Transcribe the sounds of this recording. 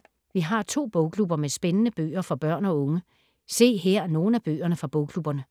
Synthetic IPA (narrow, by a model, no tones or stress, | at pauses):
ʋiɦɑ̈t͡sʰo̝̰ːb̥ɔʊkʰlub̥ɐmesb̥enənəb̥ø̰ːɐfɒ̽b̥ɶɐ̰nɒ̽ɔ̽ŋə | se̝̰ːɦeɐ̰no̝ːn̩æb̥ø̰ːɐnəfʁɑ̈b̥ɔʊkʰlub̥ɐnə